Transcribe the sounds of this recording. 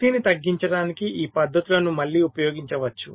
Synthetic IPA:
d̪iːnit̪ɐɡːiɲt͡ʃɐɽaːnikiiːpɐd̪ʱːɐt̪ulɐnumɐɭːiːupɐjoːɡiɲt͡ʃɐʋɐt͡ʃːu

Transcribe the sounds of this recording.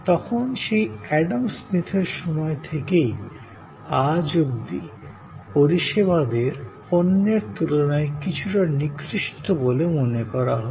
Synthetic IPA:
t̪ɔkʰonʃejɛɖamsmit̪ʰeɾʃɔmɔet̪ʰekej | ad͡ʑoɡd̪ḭ | poɾiʃeβad̪eɾponːeɾt̪ulonaekit͡ɕʰuʈanikɾiʃt̪obolemonekɔɾaɦɔ

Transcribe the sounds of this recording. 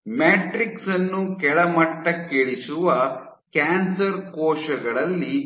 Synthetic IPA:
meːʈɾiksɐnːukɛɭɐmɐʈːɐkːeɭisuʋɐ | kaːnsɐɾkɔːʃɐɡɐɭɐlːi

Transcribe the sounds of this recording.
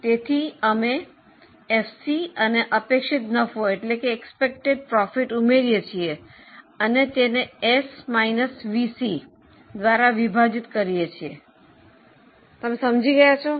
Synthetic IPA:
t̪et̪ʰiəme | efsiəneʔəpekʃit̪nəfʰoeʈlekeːkspek̚ʈeɖ̚pɾɔfiʈumeɾijet͡ʃʰie | ənet̪eneesmainəsʋisi | d̪ʋaɾaʋibʱad͡ʒit̪kəɾijet͡ʃʰie | t̪əmesəmd͡ʒiɡəjat͡ʃʰo

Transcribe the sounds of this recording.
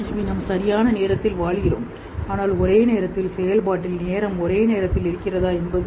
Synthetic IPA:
minɐmsɐɾɪjaːnɐneːɾɐt̪ːɪlʋaːɭɣɪro̰ːm | aːnaːlɔɾeːneːɾɐt̪ːɪlsɛjɐlpaːʈːɪlneːɾɐmɔɾeːneːɾɐt̪ːɪlɪɾɯkːɪrɐðaːɛnbɐðɯ

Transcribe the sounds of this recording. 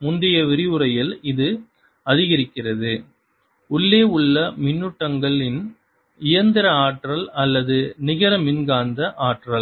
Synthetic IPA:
mʊndɪjɐʋɪɾɪʋɯɾɐjɪlɪðɯ | ɐðɪɣɐɾɪkːɪrɐðɯ | ʊɭːeːʊɭːɐmɪnːɯʈːɐŋɡɐɭɪn | ɪjɐnd̪ɪɾɐaːʈrɐlɐlːɐðɯnɪɣɐɾɐmɪnɡaːnd̪ɐʔaːʈrɐl

